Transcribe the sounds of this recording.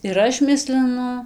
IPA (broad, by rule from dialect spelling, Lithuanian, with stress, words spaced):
ɪr ˈɐʃ ˈmʲɪsʲlʲɪnʊ